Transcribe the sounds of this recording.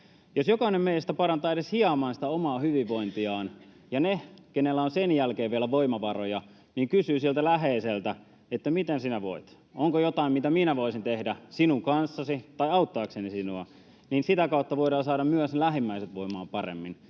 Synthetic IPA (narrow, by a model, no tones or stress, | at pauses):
josjokɑˑinemmeist̪æpɑrɑnt̪ɑːeɾeshiɑmɑːnsit̪æomɑːhyʋiʋʋo̞int̪iɑːn | jɑnekenelːæonsenjælkeːʋʋiælæʋoimɑʋɑrojɑ | niːŋkysyːsiælt̪ælæɦeːselt̪æ | et̪ːæmit̪ensinæʋo̰it̪ | oŋkojot̪ɑˑimmit̪æminæʋoisint̪ehdæsinuŋkɑnsːɑsit̪ɑiɑut̪ːɑːksenisinuɑ | niːnsit̪ækɑut̪ːɑʋoiɾɑːsɑːɾɑmmyøslæhimːæiset̪ʋoimɑ̰ːmpɑrḛmːin